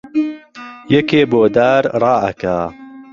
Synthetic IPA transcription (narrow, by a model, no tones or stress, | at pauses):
jɛkeːboːd̪aːɾrˤɑːʔɐ̰ka̰ː